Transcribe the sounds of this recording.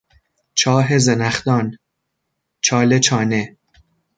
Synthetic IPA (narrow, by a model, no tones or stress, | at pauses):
t͡ʃʰɒːɦezenæχd̪ɒːn | t͡ʃʰɒːlet͡ʃʰɒːne